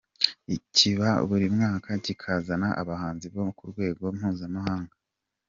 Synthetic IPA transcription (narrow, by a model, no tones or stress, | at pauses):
icʰiβa̰βuɾimŋaːkaɟikʰaːzanaʔa̰βahaːnziβo̞kuɾɡwe̞ːɡo̞m̥huːzamahaːŋɡa